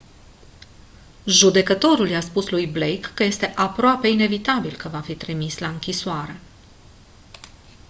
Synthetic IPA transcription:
ʒud̪e̞kət̪o̞ɾuljaspuslujblejkːəje̞st̪e̞ʔapɾoape̞ine̞vit̪abilkəvafit̪ɾimislaɨŋkʲisuaɾe̞

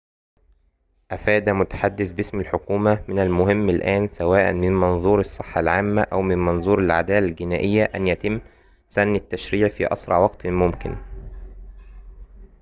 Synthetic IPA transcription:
ʔæfæːd̪æmʊt̪ḁħad̪ːɪθbɪsmalħokuːmæmɪnælmʊɦɪmːɪlʔæːnsæwæːʔæ̰nmɪnmɑnðˤuːɾɑsˤːɨħːɑlʕaːmːæʔæwmɪnmɑnzˤuːɾalʕa̰d̪æːlælɡɪnæːʔɪjːæʔænjæt̪ɪmː | sænːɪt̪ːæʃɾiːʕfḭːʔɑ̰sɾˤɑ̰ʕwɑqt̪mʊmkɪ̰n

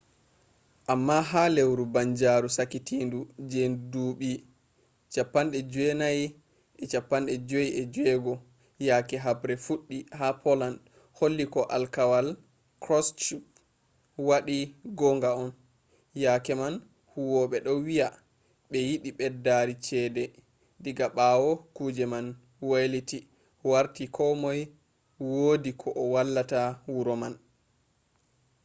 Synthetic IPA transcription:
ʔamːaɦalewɾubaɲd͡ʒaɾusakitiːndud͡ʒenduːɓi | t͡ʃapːanɗɛd͡ʒɛnaj | ɛt͡ʃapːanɗɛd͡ʒojiʔɛd͡ʒɛɡɔ | jaːkɛɦabɾɛfuɗːihapʰɔland | holːikɔʔalkawal | kɾɔst͡ʃup̚ | waɗiɡɔŋɡaɔn | jakɛman | huwɔɓɛɗɔwija | ɓɛjiɓiɓɛdːaɾit͡ʃɛdɛ | diɡaɓawɔkud͡ʒɛman | wajliti | waɾtikʰɔmɔj | wodikʰɔʔɔwalːatawuɾɔman

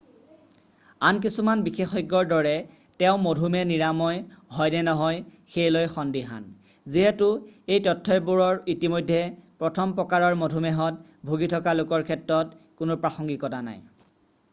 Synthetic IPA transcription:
ank̬isumanbixexɔjɡːɔɹdɔɹɛ | tɛʊ̃modʱumɛniɹamɔjɦɔjnɛnɔɦɔjxejlojxɔndiɦa̰n | ziɦɛtʊejtɔtʰːɔjbuɹɔɹitimojdʱːɛpɹɔtʰɔmpɹɔkaɹɔɹmodʱumɛɦɔt̚ | bʱuɡitʰɔkalʊkɔɹkʰɛtɹɔt | kʊnopɹaxɔŋɡikɔtana̰j

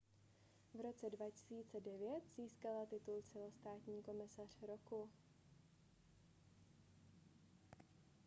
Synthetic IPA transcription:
vɾo̞t͡sɛdvacɪ̥siːt͡sɛdɛvjɛt̪z̥iːskalat̪ɪt̪ult͡sɛlo̞st̪aːt̪ɲiːko̞mɪsar̝̥ɾoku

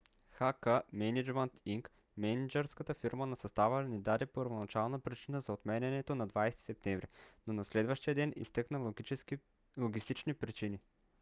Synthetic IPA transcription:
xakəmɛnid͡ʒmənt̪iŋk | mɛnid͡ʒɛɾskət̪əfiɾmənɐsɐst̪avəlnɛd̪ad̪ɛpoəɾvonat͡ʃalˠnəpɾit͡ʃinəzɐot̪mɛnʲɛnɛt̪onad̪vajst̪i̥sɛp̚t̪ɛɱvɾinonɐslɛd̪vəʃt̪ijəd̪ɛnḭst̪ɤknə | lˠoɡʲist̪it͡ʃnipɾit͡ʃini

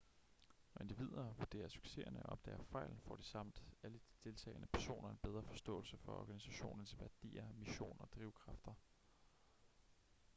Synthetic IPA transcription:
nɒ̽e̝nd̥iʋið̞̰ˠɐʋuɐd̥e̝̰ːɐsy̥ɡ̥se̝̰ɐnəɒʔɒ̽b̥̚d̥ɛ̰ːɐfɑ̈ɪ̰ln̩fɒ̰ːd̥isɑ̈m̰d̥æləd̥id̥e̝lt͡sʰɛ̰ːɪnəpʰæɐso̝̰ːnʔɐe̝nb̥eð̞ˠʁɐfɒ̽sd̥ɔ̰̽ːl̩səfɒ̽ɒ̰ːɡ̥ænisæɕo̝̰ːnɐnəsʋæɐd̥ḭːɐmiɕo̝̰ːnɐɒd̥ʁiʊkʰʁɑ̈fd̥ɐ

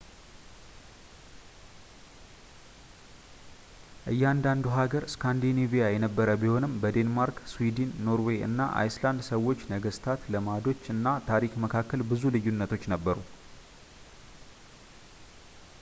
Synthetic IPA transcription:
ʔɨjːɛand̪and̪uɦaɡəɾskʰand̪inivijajɛnəbːəɾəbiho̞nɨmbəd̪e̞nmaɾkswid̪inːo̞ɾwe̞ʔɨ̰nːaʔa̰jsland̪səwːo̞t͡ʃːnəɡəst̪ʰat̪ləmad̪o̞t͡ʃːɨnːat̪ʰaɾikməkʰakːəlbɨzulɨjːunːət̪ʰo̞t͡ʃːnəbːəɾu

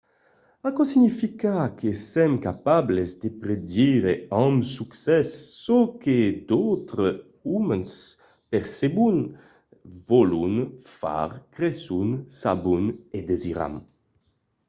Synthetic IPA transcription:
akɔsiɲifikakesɛmkapablezd̪epɾed̪iɾeɔmsuksɛsːɔked̪ɔwt̪ɾə | umens | peɾsebun | vɔlunfa̰ɾkɾesunsabuned̪eziɾa̰m

